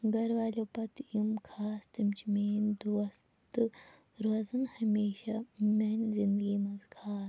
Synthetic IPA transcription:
ɡɐɾʋaːlʲoːpɐt̪jumkʰaːst̪imt͡ʃʰimeːnd̪uɐs | t̪ɨ | ɾɐzɐnhɐmeːʃamɐnzind̪ɡiːmɐzkʰaː

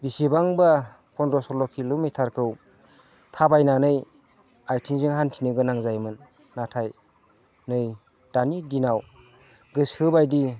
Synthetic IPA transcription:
bisibaŋba | pʰɔndɔsɔlɔkʰilumitʰaɾkʰɯw | tʰabajnanɯj | ajtʰiŋziŋɦantʰinɯɡɯnaŋzajmɯnː | atʰaj | nɯj | d̥anidinaw | ɡɯsɯbajdi

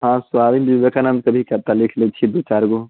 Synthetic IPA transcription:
ɦãːsʊʋaːʋind͡ʒiʋekanaːmkɐbʱikɐɾt̪alɪkʰlet͡ʃʰid̪oːt͡ʃaːɾɡo

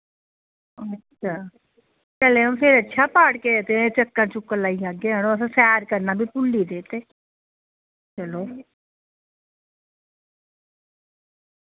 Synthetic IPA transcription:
ətːʃʰaː | kɛlempʰeɾətːʃʰaːpaːɽkeət̪et͡ʃəkːãːt͡ʃʊkːəlaːiaːɡeɦaːɽ̃õəsãːsɛːɾkəɾnaːbʱipʊlːiːd̪eːt̪eː | t͡ʃəloː

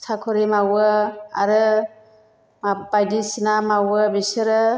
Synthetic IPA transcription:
sʰakʰɔɾimawɯa̰ɾɯ | mabajdisinamawɯbisɯɾɯ

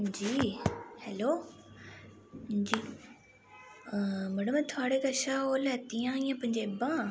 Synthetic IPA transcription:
d͡ʑiːhɛloː | d͡ʑiː | məɽəmt̪ʰoaːɽekɐʃaoːlɛːt̪ijãːijãːpɐ̃ɦɪ̃ɲd͡ʑebãː

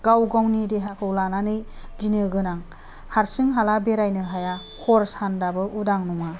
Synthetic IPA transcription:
ɡ̥awɡawnideɦakʰɯwlananɯjɡinɯɡɯnaŋ | haɾsɯŋɦalabeɾajnɯɦaja | kʰɔɾsandabɯʔudaŋnɔŋa

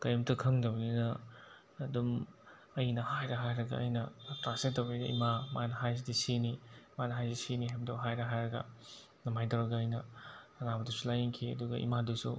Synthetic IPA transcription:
kɐjɐmtɐkʰɐŋdɐwninɐː | dum | ɐjnɐhajɾɐɦajɾɐɡɐ̰ɐ̰jnɐtɾasetːɐweɡɐ̰ʔḭmamanɐɦajzidisinimanɐɦajziisiniɦajmdɐwɦajɾɐɦajɾɐɡɐ̰ | nɐmajtɐwɾɐɡɐɐjnɐɐnabɐdusulajeŋkʰiɐ̰duɡɐ̰ʔḭmadusu

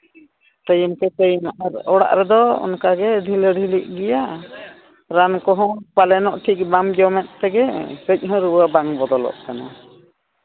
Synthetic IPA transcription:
t̪əjumkɛt̪əjmaʔaɾɔɽa̰ʔɾɛd̪ɔɔ̰nkaɡɛɖʱiləɖʱiliʔ̚ˀɡɛja | ɾankɔɦɔ̃palɛnɔʔʈʰik̚bamd͡ʒɔmɛt̪̚ˀt̪ɛɡɛsəc̚ˀɦɔ̃ɾuwabaŋbɔd̪ɔlɔ̰ʔkana̰

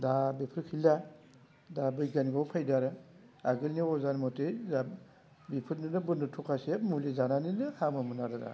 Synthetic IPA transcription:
dabepʰɯɾkʰila | dabɯjɡanɡɔwpʰajdaɾɯ | aɡɯlniɔzanmɔteza | bipʰɯɾnɯnɯbɯnɯtʰukʰasemulizananinɯhamɯmɯnaɾɯɾa̰

